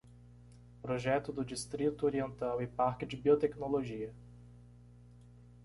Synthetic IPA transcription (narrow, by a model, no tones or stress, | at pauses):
pɾoʒɛt̪ʊd̪ʊd͡ʒist̪ɾit̪ʊoɾiẽnt̪awɪpaɾkɪd͡ʒɪbiot̪ɛknoloʒiɐ